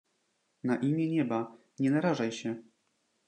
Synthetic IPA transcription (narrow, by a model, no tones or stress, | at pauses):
naʔimʲjɛɲɛba | ɲɛnaɾaʐajɕɛ